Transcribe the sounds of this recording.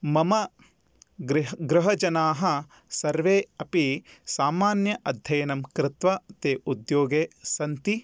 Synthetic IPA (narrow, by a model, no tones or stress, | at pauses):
mɐmɐ | ɡɾɡɾɪɦɐd͡ʒɐnaːɦɐ | sɐɾʋeːɐpisaːmaːnjɐʔɐd̪ʱjɐjɐnɐmkɾɪt̪ʋɐt̪eːʔud̪joːɡeːsɐnt̪i